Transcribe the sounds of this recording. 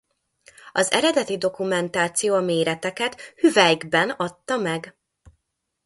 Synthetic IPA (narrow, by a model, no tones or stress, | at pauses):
ɒzɛ̰ɾɛd̪ɛt̪id̪o̞kumɛnt̪aːt̪sijoːɒmeːɾɛt̪ɛkɛt̪hyvɛjɡbɛnɒt̪ːɒmɛɡ